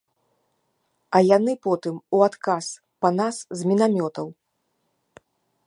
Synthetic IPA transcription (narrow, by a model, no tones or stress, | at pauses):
ɐjanɨpɔt̪ɨmuat̪kas | pɐnaszmʲinamʲɔt̪ɐw